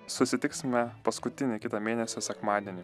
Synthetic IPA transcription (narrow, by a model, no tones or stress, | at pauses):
sʊsʲɪt̪ʲɪksʲmʲɛpɐskʊt̪ʲɪnʲɪkʲɪt̪ɑmʲeːnʲɛsʲoːsʲɛkmɑːd̪ʲiɛnʲɪ